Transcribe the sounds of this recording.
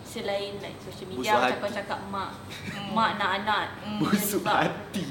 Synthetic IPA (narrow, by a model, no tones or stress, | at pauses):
səlainla̰jksoʃəlmiiaakat͡ʃakat̚mãʔ | mãʔnaʔanãt̚busuat̪i